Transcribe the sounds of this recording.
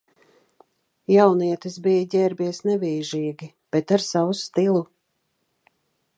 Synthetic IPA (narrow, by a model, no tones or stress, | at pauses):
jawniɛt̪isbijɟʲɛːɾbiɛsnɛviːʒiːɡi | b̥et̪aɾsawust̪ilˠu